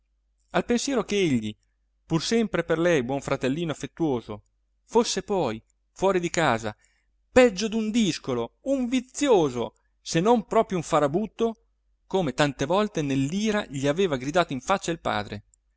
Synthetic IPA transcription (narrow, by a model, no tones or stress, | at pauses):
alpensjɛːɾokeeʎːi | pursɛmpɾeperlɛjbwɔɱfɾat̪elːiːnoafːet̪ːuoːzo | fosːepɔj | fwɔːɾid̪ikaːza | pɛd͡ʒːod̪und̪iskolouɱvit̪sːjoːzo | senompɾɔːpɾjouɱfaɾabut̪ːo | koːmet̪ant̪evɔlt̪enelːiːɾaʎiaveːvaɡɾid̪aːt̪oiɱfat͡ʃːailpa̰ːd̪ɾḛ